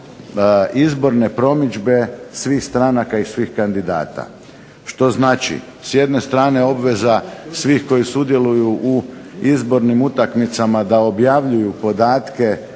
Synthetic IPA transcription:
izbo̞ɾne̞pɾo̞mid͡ʒbe̞sʋiːxst̪ɾanakaisʋiːxkand̪id̪a̰ːt̪a̰ | ʃt̪o̞znaːt͡ʃḭ | sje̞d̪ne̞st̪ɾaːne̞o̞bʋe̞zasʋiːxko̞jisud̪je̞lujuʔuizbo̞ɾnimut̪akmit̪samad̪ao̞bjaʋʎujupo̞d̪aːt̪ke̞

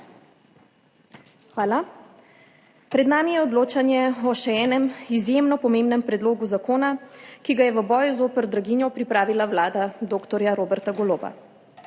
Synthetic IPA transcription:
xʋaːla | pɾɛd̪naːmijɛɔd̪loːt͡ʃanjɛɔʃɛɛːnɛmizjemnɔpɔmeːmbnɛmpɾɛd̪loːɡuzakoːnakiɡajɛʋəbɔːjuzoːpəɾd̪ɾaɡinjɔpɾipɾaːʋilaʋlaːd̪ad̪oːkt̪ɔɾjaɾoːbɛɾt̪aɡɔloːba̰

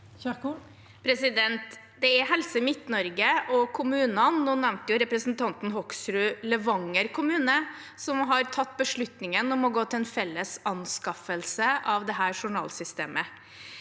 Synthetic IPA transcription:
pʰɾɛsɪd̪ɛnt̪ | d̪ɛæɾɦɛlsəmɪt̪nɔɾɡəʔɔkʰʊmʉːnɑnːuːnæʋnt̪əjʊɾɛpɾəsn̩t̪ʰɑnt̪n̩ɦɔksɾʉːləʋɑŋːəɾkʰʊmʉːnə | sɔmɦɑɾt̪ʰɑt̪ːbəʂɭʉt̪nɪŋənɔmɔɡoːt̪ʰɪɛnfɛlːəsɑnskɑfəlsəʔɑʋd̪ɛɦæːɾʂʊɳɑ̰ːlsʏst̪ḛːmə

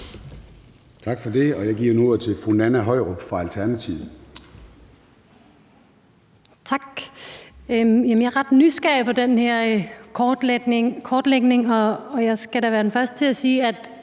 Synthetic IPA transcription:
t͡sʰɑ̈ɡ̥fɒde̝ɒ̽jɑ̈ɪɡ̥iɐ̰nuoɐ̰t͡sʰe̝lfonænæɦɒ̽ɪ̰ʁob̥fʁɑ̈ælt͡sʰæɐnæt͡sʰiʊð̩ | t͡sʰɑ̈ɡ̥ | jemənjɑ̈hɑʁɑd̥nysɡ̥ɛɐfɒ̽d̥enhɛɐ̰̥ | kʰɒːd̥leɡ̥ne̝ŋɒːjɑ̈ɪsɡ̥æɾ̥æʋæːɐd̥en̩fɶɐsd̥ət͡sʰe̝æsiːæd̥

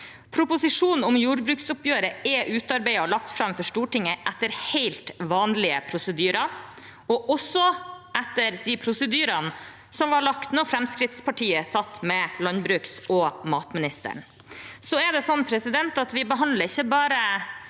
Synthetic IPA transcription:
pʰɾʊpʊsɪʂuːnn̩ʊmjuːɾbɾʉːksʊpjøːɾəɛʔʉːt̪ɑɾbæɪɑɔlɑk̚t̪fɾɑmfɔʂʈuːʈɪŋːəʔæt̪ːəɾheɪlt̪ʋɑːnlɪəpʰɾʊsəd̪yːɾɑ | ɔʔɔsːɔæt̪ːəɾd̪ɪpʰɾʊsəd̪yːɾɑn | sɔmʋɑɭɑkt̪noːfɾɛmskɾɪt̪spʰɑʈʰiːəsɑt̪ːmɛlɑnbɾʉːksɔmɑːt̪mɪnɪst̪ə̰ɳ | sɔɛd̪ɛsɔnːpʰɾɛsɪd̪ɛnt̪ɑt̪ʋɪbəɦɑnd̪ləɾɪçːəbɑːɾə

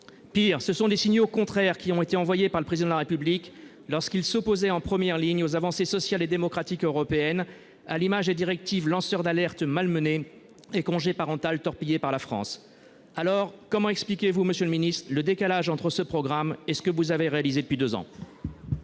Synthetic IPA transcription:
piːʁsəsɔ̃d̪esiɲjokɔ̃t̪χɛʁkʲiɔ̃et̪eɑ̃vwajepaʁləpχezid̪ɑ̃d̪laʁepyblik | lɔʁskilsopozɛɑ̃pχəmjɛʁliɲozavɑ̃sesɔsjaled̪emɔkχat̪ikøʁɔpeɛn | alimaʒd̪ed̪iʁɛk̚t̪ivlɑ̃sœʁd̪alɛʁt̪malməne | ekɔ̃ʒepaʁɑ̃t̪alt̪ɔʁpijepaʁlafχɑ̰̃s | alɔʁkɔmɑ̃ɛksplikʲevuməsjøləminist̪χləd̪ekalaʒɑ̃t̪χəsəpχɔɡʁamesə̥kəvuzaveʁealized̪əpɥid̪øzɑ̰̃

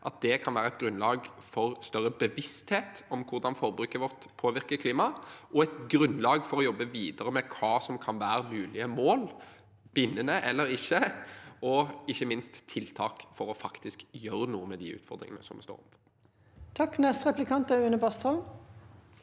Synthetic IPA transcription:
ʔɑt̪̚d̪ɛkʰɑnʋæːɾəɛɪt̪̚ɡɾʉnlɑːɡ | fɔɾst̪œɾːəbəʋɪst̪heːt̪ɔmkʰʊɾd̪ɑnfɔɾbɾʉːkəɾʋɔʁt̪pʰoːʋɪɾkəkʰliːmɑʔɔɛt̪ɡɾʉnlɑːɡfɔɾɔjɔbːəʋiːd̪əɾəmɛkʰɑːsɔmkʰɑnʋæːɾəmʉːlɪəmoːl | b̥ɪnːənəʔɛlːəɾɪçːəɔɪçːəmɪnst̪ʰːɪlt̪ʰɑːkfɔɾɔfɑkt̪ɪskjøːɾənuːəmɛd̪ḭːʉ̰ːt̪fɔʁd̪ɾɪ̰ŋə̰nə̰sɔmdɛ̰st̪o̰ːɾɔ̰mpɔ | t̪ʰɑkːnɛst̪ʁɛplɪkʰɑnt̪æʉːnəbɑst̪ɔm

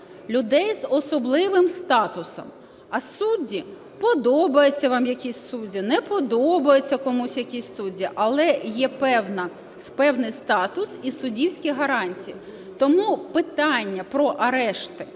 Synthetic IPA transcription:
lʲʊd̪ɛjzɔsɔblˠɪʋɪmst̪ɑt̪ʊsɔ̰m | ɐssudʲːi | pɔd̪ɔbɐjet͡sʲːɐʋɑmjɐkʲisʲsudʲinɛpɔd̪ɔbɐjet͡sʲːɐkɔmusʲjɐkʲisʲsudʲːiʔɐlˠɛjɛpɛwnɐ | spɛwnɪjst̪ɑt̪ʊsisʊdʲiwsʲkʲiɦɐɾɑnʲt͡sʲiji | t̪ɔmupɪt̪ɑnʲːɐpɾɔʔɐɾɛʃt̪ɪ

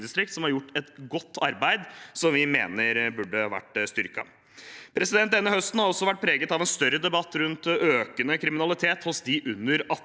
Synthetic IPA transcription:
d̪ɪst̪ɾɪk̚t̪sɔmhɑɾjʊʈːɛt̪ɡɔt̪ːɑɾbæɪd̪sɔmʋɪmḛːnəɾbʉɖəɑʋæ̰ʈːst̪ʏɾkɑ̰ | pʰɾɛsɪd̪ɛnt̪̚d̪ɛnːəhœst̪n̩hɑɾɔsːɔʋæʈ̚ːpʰɾeːɡət̪ɑʋɛnst̪œɾːəd̪ɛbɑt̪ːɾʉnt̪øːkənəkʰɾɪmɪnɑlɪt̪ʰeːt̪hʊsd̪ɪʔʉnːəɾɑ

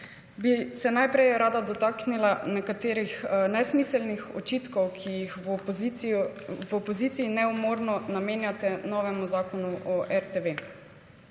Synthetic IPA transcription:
bisɛnajpɾɛjɾaːd̪ad̪ɔt̪aːknilanɛkat̪eːɾixnɛsmisɛlnixɔ̰t͡ʃit̪kɔwkʰijix | vɔpɔziːt̪siinɛumɔɾnɔnameːnjat̪ɛnɔːʋɛmuzaːkɔnuʔɔʔɛɾt̪eʋe

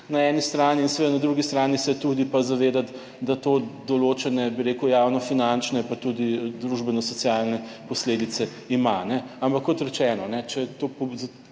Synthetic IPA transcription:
naɛnist̪ɾaːniːnsɛʋed̪anad̪ɾuɡist̪ɾaːnisɛt̪ud̪ipazaʋeːd̪at̪ | d̪at̪od̪ɔloːt͡ʃɛnɛbiɾeːkujaːwnɔfinant͡ʃnɛpat̪ud̪id̪ɾuʒbɛnɔsɔt̪sjalnɛpɔsleːd̪it̪sɛ | imanɛampakːɔt̪ɾɛt͡ʃɛːnɔnɛt͡ʃɛt̪opz

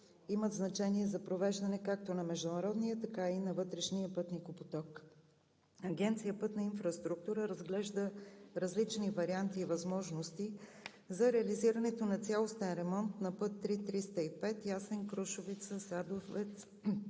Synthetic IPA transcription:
iməd̪znɐt͡ʃɛniɛzɐpɾovɛʒd̪ɐnɛkak̚t̪onɐmɛʒd̪ʊnɐɾɔd̪nijət̪ɐkainɐvɤt̪ɾɛʃniəpɤt̪nikopot̪ɔk | ɐɡʲɛnt̪sijəpɤt̪nɐinfɾəst̪ɾuk̚t̪uɾəɾɐzɡlɛʒd̪əɾɐzlit͡ʃnivɐɾiant̪iːvɐzmɔʒnost̪i | zɐɾɛɐliziɾənɛt̪onɐt̪sʲalˠost̪ɛnɾɛmɔnt̪nɐpɤt̪ːɾit̪ɾist̪əipɛt̪jasɛnkɾɔʃʊvit̪səsad̪ofvɛt̪s

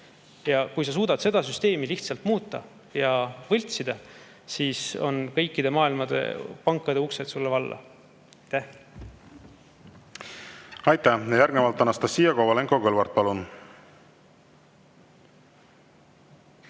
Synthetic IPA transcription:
jɑkujs̬ɑs̬uːd̪̥ɑt̪se̞d̪̥ɑsyst̪e̞ːmiliht̪sɑlt̪muːt̪ːˑɑ̰ | jɑvɤlʲt̪sid̪̥ɑ | siːso̞nkɤ̞jkːid̪e̞mɑːilmɑd̪̥e̞̰pɑŋkːˑɑd̪e̞ukse̞t̪sulːevɑlːɑ̰ | ɑjt̪ːæh | ɑjt̪ːæhjɑjæɾɡ̥nevɑlt̪ːɑnːɑst̪ɑsːiːjɑkovɑleŋkokɤlvɑɾt̪̚pɑlun

